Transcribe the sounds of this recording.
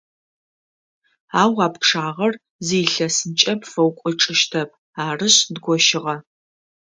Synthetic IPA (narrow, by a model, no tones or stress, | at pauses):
aːwɑːpkʂaːʁɐr | ziːɬɐsɨnt͡ʃʼɐpfɐwkʷʼʊʈ͡ʂʼɨʃtʰɐp̚ʰ | aːrɨɕdɡʷɔʃɪʁɐ